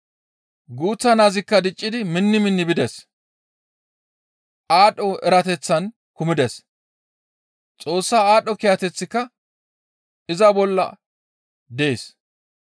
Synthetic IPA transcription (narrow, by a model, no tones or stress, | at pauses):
ɡuːt͡sːɐnaːzɪkːɐd̪ɪt͡ʃʼːɪd̪ɪmɪnːɪmɪnːɪbɪd̪ɛs | ʔaːɗːɔɛɾɐt̪ɛt͡sːɐn | kʊmɪd̪ɛs | t͡sʼo̞ːsːaːaːɗːɔkɪjɐt̪ɛt͡sːɪkːɐ | ɪzɐbɔlːɐ̰ | d̪eeːs